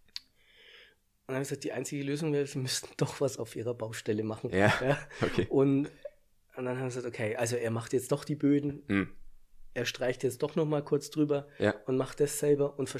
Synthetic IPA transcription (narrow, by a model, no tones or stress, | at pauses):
ʊnaməɡəzaːk̚d̥iːʔa̰ɪnt͡sɪɡəløːzʊŋveːʁəz̥iːmʏstn̩d̥ɔχv̥asaʊfʔḭːʁɐbaʊʃtɛləmaχn̩jaːokʰeʔʊnt | nd̥anhaːmjɡəzaːktokʰeɪʔalzoeːɐmaχtjɛt͡std̥ɔχd̥iːbøːdn̩ | ʔeːɐʃtʁ̥aɪçtjɛt͡std̥ɔχnɔχmaːlkʰʊɐt͡sd̥ʁyːbɐjaʊntmaχtd̥asz̥ɛlbɐʔʊntfɛɐ